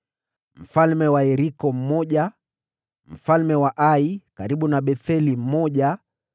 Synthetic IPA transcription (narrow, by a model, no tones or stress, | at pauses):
m̩falmɛwaɛɾikɔm̩mɔʄa | m̩falmɛwaʔaikaɾiɓunaɓɛθɛlim̩mɔʄa